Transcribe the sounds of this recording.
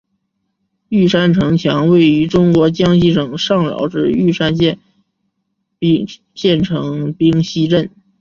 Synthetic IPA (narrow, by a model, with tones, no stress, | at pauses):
y˥˩ʂa˥nʈ͡ʂʰɤ˧˥ŋt͡ɕʰjɑ˧˥ŋwe˥˩ɪy˧˥ʈ͡ʂʊ˥ŋkwɔ˧˥t͡ɕjɑ˥ŋɕi˥˩ʂɤ˨˩ŋʂɑ˥˩ŋljɑ̰˨˥ʊʈ͡ʂɻ̩˥˧y˥˩ʂa˥nɛ˥˧˥ | ɕjɛ˥˩nʈ͡ʂʰɤ˧˥ŋpi˥ŋɕi˥ʈ͡ʂə˥˩n